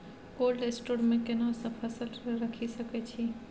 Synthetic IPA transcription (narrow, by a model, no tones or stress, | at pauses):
koːlesʈoːɾmẽkenasəbpʰːəsəlɾəkʰisəket͡ʃʰi